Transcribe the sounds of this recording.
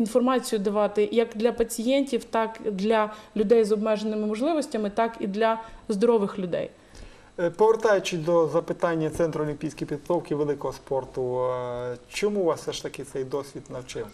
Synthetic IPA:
infɔrmɑt͡sʲijʊd̪ɐʋɑt̪ɪjɐkd̪lʲɐpɐt͡sʲijɛnʲtʲiwt̪ɑkd̪lʲɐlʲʊd̪ɛjzɔbmɛʒenːɪmɪmɔʒlˠɪʋɔsʲtʲɐmɪt̪ɑkid̪lʲɐzd̪ɔɾɔʋɪxlʲʊd̪ɛ̰j | pɔʋert̪ɑjʊt͡ʃɪd̪ɔzɐpɪt̪ɑnʲːɐt̪sɛnt̪ɾɔːlʲimʲpʲijsʲkɔjpʲid̪ɦɐt̪ɔwkɪʋelˠɪkɔɦɔspɔrt̪ʊ | t͡ʃɔmuʋɑssɛʃt̪ɐkɪt̪sɛjd̪ɔsʲʋʲid̪nɐwt͡ʃɪw

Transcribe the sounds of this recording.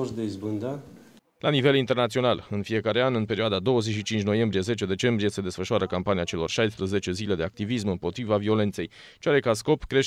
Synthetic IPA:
ɾd̪eizbɨnd̪a | lʔanive̞lint̪e̞rnat̪sio̞nalɨnfie̞kaɾe̞anɨnpe̞ɾioad̪ad̪o̞wəze̞t͡ʃʃit͡ʃint͡ʃʲno̞je̞mbɾije̞ze̞t͡ʃe̞d̪e̞t͡ʃe̞mbɾije̞se̞d̪e̞sfəʃuaɾəkampaniat͡ʃe̞lo̞̰rʃajspɾuze̞t͡ʃe̞zile̞d̪e̞ak̚t̪ivis̬mɨmpo̞t̪ɾivavio̞le̞nt̪se̞j | t͡ʃeaɾekas̬ko̞pkɾe̞ʃ

